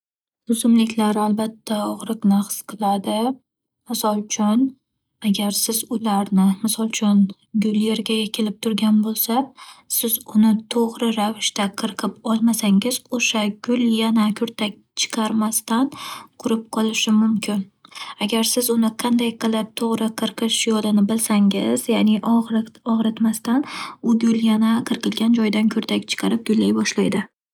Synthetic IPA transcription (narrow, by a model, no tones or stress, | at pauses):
ʊzʊmlɪkʲʰlaɾalbat̪ʰːaɒʁɾɨqnaqsqʰɨlˠad̪ɪ | mɪsɒlˠt͡ʃʰʊn | aɡʲaɾsɪzʊlaɾnɪmɪsɒlˠt͡ʃʰʊn | ɡʊlje̞ɾɡʲajakʲʰelɪp̚t̪ʰʊɾɡʲanbolˠsasɪzʊnɪt̪ʰoʁɾɪɾavɪʃt̪aqʰɨɾɨqʰɪpɒlˠmasaŋɪz̥oʃaɡʲʊlˠjanakʲʰɵɾt̪ʰak̚ʲt͡ʃʰɨ̥qʰɑɾmast̪anqʰʊɾɪp̚qʰɒlˠɪʃɪmʊmkʲʰɪnaɡʲaɾsɪzʊnɪqʰɑnd̪ajqʰɨlˠɪp̚t̪ʰoʁɾɪqʰɨɾqʰɨʃjɒlɪnɪbɪlsaŋɪ̰z̥jaːnɪʔɒʁɾɪt̪mast̪anʊɡʲʊlˠjanaqʰɨɾqɨlˠɡʲand͡ʒɒjd̪ankʲʰɵɾt̪ʰakʲt͡ʃʰɨ̥qʰɑɾɪp̚ɡ̥ʲʊlːajbɒʃlajd̪ɪ